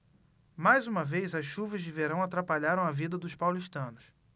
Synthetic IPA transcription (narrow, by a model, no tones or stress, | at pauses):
majzũmɐvejzɐsʃuvɐzd͡ʒɪveɾɐ̃w̃at̪ɾapaʎaɾɐ̃w̃ɐvid̪ɐd̪ʊʃpawliʃt̪ɐ̃nʊs